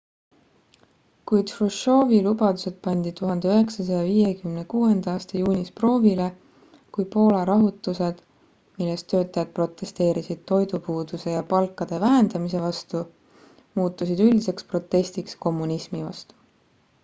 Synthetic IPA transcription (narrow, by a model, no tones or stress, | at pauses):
kujd̪̥fruʃo̞ːvilubɑd̪̥use̞d̪̥̚pɑnʲd̪̥it̪uɦɑnd̪̥e̞øɦe̞ksɑsɑjɑviːjekymne̞kuːe̞nd̪ɑɑːst̪ɑjuːnʲispro̞ːvile̞ | kujpo̞ːlɑɾɑɦut̪ːˑuse̞d̪̥ | milːest̪ːø̞ːt̪ːˑɑjɑd̪̚pro̞t̪ːˑe̞st̪e̞ːɾisid̪̥̚t̪o̞jd̪upuːd̪̥use̞jɑpɑlkːˑɑd̪̥e̞væɦend̪̥ɑmise̞vɑst̪u | muːt̪ːˑusid̪ylʲd̪̥ise̞kspro̞t̪ˑːe̞st̪iksko̞mːunismivɑ̰st̪u̥